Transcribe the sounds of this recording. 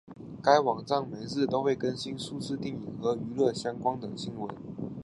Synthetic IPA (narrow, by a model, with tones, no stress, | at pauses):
ka˥ɪwɑ˨˩ŋʈ͡ʂɑ˥˩ŋme˧˥ɪt͡sɹ̩˥˩t̪o˥ʊxwe˥˩ɪkə˥nɕi˥nʂu˥˧ʂɹ̩˥˧t̪i˥˩ŋi˨˩ŋxɤ˧˥y˧˥lɤ˥˩ɕjɑ˥ŋkwɑ˥ŋt̪ə˨˩ɕi˥ŋwə˧˦n